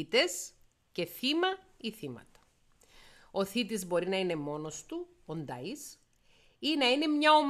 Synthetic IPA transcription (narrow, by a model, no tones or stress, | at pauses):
it̪e̞s | ce̞θimɐiθimɐ̰t̪ɐ̥ | o̞θit̪izbo̞ɾinɐine̞mo̞no̞st̪u | ond̪ɐis | inɐine̞mɲɐom